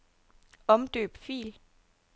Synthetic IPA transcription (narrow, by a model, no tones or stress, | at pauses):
ɒ̽md̥ø̰ːb̥fḭːl